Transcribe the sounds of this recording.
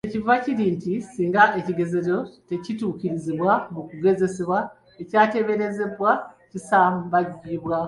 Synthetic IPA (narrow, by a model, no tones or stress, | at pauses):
ecivaciɾiːntisiːŋɡaʔe̞ciɡe̞ze̞ɾo̞te̞cituːkiɾiziβwamukuɡe̞ze̞seβwa | ecaːte̞βe̞ɾe̞ze̞βwa | cisaːmbaɟiβwa